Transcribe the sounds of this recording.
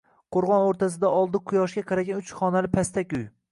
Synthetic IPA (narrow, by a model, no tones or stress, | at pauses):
qʰoɾʁɒnoɾt̪ʰasɪd̪aʔɒlˠd̪ɪqʰʊjɒʃɡʲaqʰɑɾaɡʲanʊt͡ʃχɒnalɪpʰast̪ʰakʲʊj